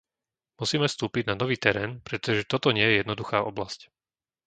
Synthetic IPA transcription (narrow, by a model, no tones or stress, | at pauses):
musiːmɛfst̪uːpiɟnanɔʋiːt̪ɛɾɛːnpɾɛt̪ɔʒɛt̪ɔt̪ɔɲɪɛjɛjɛd̪nɔd̪uxaːʔɔblasc